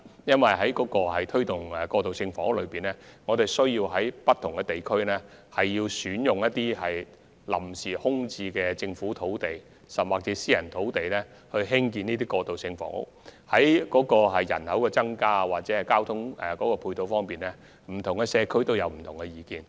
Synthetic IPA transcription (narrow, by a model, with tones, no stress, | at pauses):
jɐ˥nwɐ˨jɦɐ˨˥jkɔː˨˥kɔː˧ɦɐ˨jt̪ʰɵ˥ɥt̪ʊ˨˩ŋɛ˨kɔː˧t̪o˨wsɪ˧ŋfɔ̰˨˥ŋ˥k̚lɵ˨˧ɥpiː˨˩nlɛ˥ŋɔː˨˧t̪e˨˩jsɵ˥ɥjiː˧wɦɐ˨˥jpɐ˥t̪ʰʊ˨˩ŋkɛ˧t̪e˨jkʰɵ˥ɥnɛː˥hɐ˨jːiː˧wsyː˨˥njʊ˨ŋjɐ˥t̪̚iː˥hɐ˨j | lɐ̰˨˩msiː˨˩hʊ˥ŋt͡siː˧kɛː˧t͡sɪ˧ŋfuː˨˥t̪ʰo˨˥wt̪e˨j | sɐ˨mwaː˨˩k̚t͡sɛː˨˥siː˥jɐ˨˩nt̪ʰo˨˥wt̪e˨jlɛː˥ | hɵ˧ɥɦɪ˥ŋkiː˧niː˥t̪̬iː˥kɔː˧t̪o˨wsɪ˧ŋfɔ̰ː˨˥ŋʊ̰˥k̚hɐ˨˥jkɔː˨˥kɔː˧ɦɐ˨jːɐ̰˨˩nhɐ˨˥wkɛː˧t͡sɐ˥ŋkaː˥waː˨k̚t͡sɛː˨˥hɐ˨jkaː˥wt̪ʰʊ˥ŋɛ˨˩kɔː˨˥kɔː˧pʰuː˧jt̪o˨˧wfɔː˥ŋpiː˨nlɛː˥ | m̩˨˩t̪ʰʊ˨˩ŋɡɛ˧sɛː˨˧kʰɵ˥ɥt̪o˥wjɐ˨˧wm̩˨˩t̪ʰʊ˨˩ŋɛ˧jiː˨˧kiː˨˧n